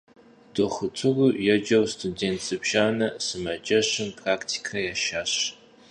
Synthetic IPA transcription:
d̥ɔχʊtʷʰʊrujɛd͡ʒɐwstʰudeːntsɨbʒ̥aːnɐsɨmɐd͡ʒɐɕɪmpʰraːktʰi̥kʰɐjaːʃaːɕ

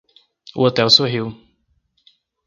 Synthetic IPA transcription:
ʊ̰ot̪ɛwsoɦiw

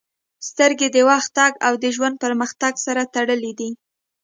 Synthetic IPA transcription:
st̪əɾɡed̪əwɑxt̪ɑɡawd̪əʒwand̪̚pəɾməxt̪aɡsaɾat̪aɽəlid̪i

